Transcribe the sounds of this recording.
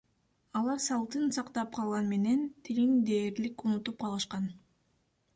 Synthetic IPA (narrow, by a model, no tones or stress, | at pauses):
ɑlˠɑɾsɑlˠt̪ɯnsɑqt̪ɑp̚qʰɑlˠʁɑnme̞ne̞nt̪ʰilind̪e̞ːɾlikunut̪up̚qʰɑlˠɯʃqɑn